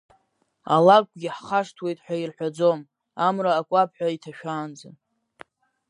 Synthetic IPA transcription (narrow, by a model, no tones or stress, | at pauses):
a̰lak̚ʷʰʼːɡʲɪħχaʂtʰwe̞jtʼħʷᶣairħʷᶣad͡zo̞m | amraːkʷʼapʰʼħʷᶣaitʰaʃᶣaːnd͡za